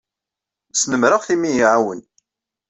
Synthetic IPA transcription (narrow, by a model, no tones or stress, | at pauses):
snəmɾəʁθimijiʕawən